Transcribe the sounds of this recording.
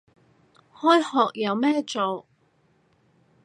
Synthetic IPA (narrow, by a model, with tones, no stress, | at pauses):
hɔː˥jhɔː˨k̚jɐ˨˧wmɛː˥t͡so˨w